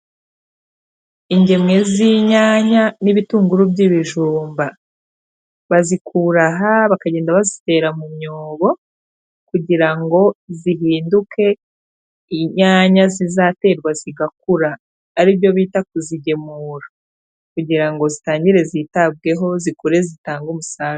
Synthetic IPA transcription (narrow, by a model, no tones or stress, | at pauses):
iɲɟe̞mŋe̞ziɲaːɲaniβituːŋɡuɾubɟiβiʒuːmba | βazikʰuɾaɦaβakaɟe̞ːndaβazite̞ːɾamumɲoːβo̞ | kuɟiɾaŋɡo̞ziɦiːnduke̞ | iɲaːɲazizaːte̞ːɾɡwaziɡak̚uɾaː | ɾiːβjo̞βiːtak̚uziɟe̞muːɾa | kuɟiɾaŋɡo̞zitaːɲɟiɾe̞ziːtab̚ɡe̞ɦo̞zikuɾe̞zitaːŋɡumusaːɾ